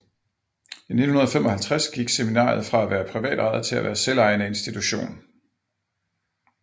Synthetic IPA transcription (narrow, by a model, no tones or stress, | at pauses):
ine̝n̩hunɐðˠfemɒ̽hælt͡sʰʁasɡ̥iɡ̥seminɑ̰̈ːð̞̩ˠfʁɑ̈æʋæːɐpʰʁiʋɛ̰ːd̥ʁɑ̈ð̩ˠt͡sʰe̝læʋæ̰ːɐselɑ̈ɪnəe̝nsd̥it͡sʰuɕo̝̰ːn